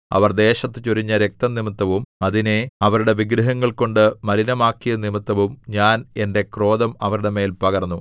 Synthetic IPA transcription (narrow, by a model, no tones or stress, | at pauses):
ɐ̰ʋɐrd̪e̞ːɕɐt̪ːɨt͡ɕoɾiɲːɐɾek̚t̪ɐnimit̪ːɐʋumɐðine̞ɐʋɐɾuɽe̞ʋiɡɾɐɦɐŋːɐɭko̞ɳɖɨmɐɾinɐmaːkːijɐnimit̪ːɐʋumɲaːne̞nde̞kro̞ːðɐmɐʋɐɾuɽe̞me̞ːlpɐɣɐrnːu